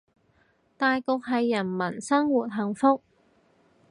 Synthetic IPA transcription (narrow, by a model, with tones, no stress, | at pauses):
t̪aː˨jkʊ˨˧k̚ɦɐ˨jːɐ˨˩nmɐ˨˩nsɐ˥ŋwuː˨t̚ɦɐ˨˩ŋfʊ˥k̚